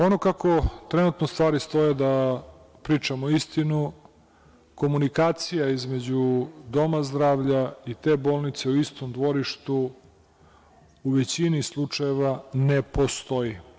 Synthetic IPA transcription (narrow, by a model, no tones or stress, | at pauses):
onokako̞t̪ɾenut̪nost̪ʋaːɾist̪o̞jed̪a | pɾiːt͡ʂamoist̪inu | ko̞munikaːt̪sijaizme̞d͡ʑud̪o̞mazd̪ɾaːʋʎait̪e̞bo̞ːlˠnit̪se̞uist̪omd̪ʋo̞ɾiʃt̪u | uʋet͡ɕinislˠut͡ʂaje̞ʋanepo̞st̪o̞ji